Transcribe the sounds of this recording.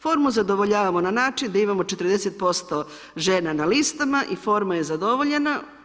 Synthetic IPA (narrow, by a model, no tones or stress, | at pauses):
fo̞ːɾmuzad̪o̞ʋoʎaːʋamo̞nanaːt͡ʃind̪aimamo̞t͡ʃet̪ɾ̩d̪e̞set̪̚po̞st̪o̞ | ʒe̞ːnanalist̪amaʔifo̞ɾmajezad̪o̞ʋoʎena